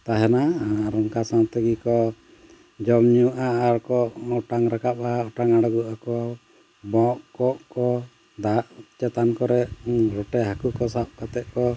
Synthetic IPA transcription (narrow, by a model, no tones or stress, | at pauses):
t̪aɦɛnaɾɔŋkasant̪ɛɡikɔ | d͡ʒɔmɲuʔaːɾkɔʔɔʈaŋɾakap̚aɔʈaŋaɽaɡuʔakɔ | bɔʔkɔʔkɔ | d̪aʔt͡ʃɛt̪ankɔɾɛɾɔʈɛɦakukɔsap̚kat̪ɛʔ̚kɔ